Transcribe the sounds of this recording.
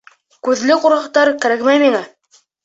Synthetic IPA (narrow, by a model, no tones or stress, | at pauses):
kʉðlɘquɾʁɑqt̪ɑɾkæɾækmæjmiŋæ